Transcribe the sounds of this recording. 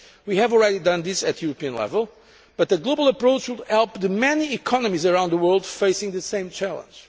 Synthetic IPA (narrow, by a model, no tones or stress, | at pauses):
wihɨvɔlˠɹɛdidʌ̃nðɪsɨt̪ʰjuɹəpiɨ̃nlɛ̰vəlˠ | b̥ʌt̪ɨɡloʊbəlˠəpɹoʊt͡ʃwɨdhɛlˠp̚ðɨmɛniːkʰɔnɨmizəɹãʊ̃nd̪ðəwɜ˞lˠd̪feɪsɪ̃ŋðɨsẽɪ̃mt͡ʃælˠə̰̃nd͡ʒ̥